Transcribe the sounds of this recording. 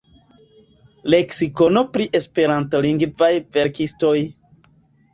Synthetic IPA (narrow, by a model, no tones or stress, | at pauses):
le̞ksiko̞no̞pɾiʔe̞spe̞ɾantoliŋɡvajve̞ɾkisto̞j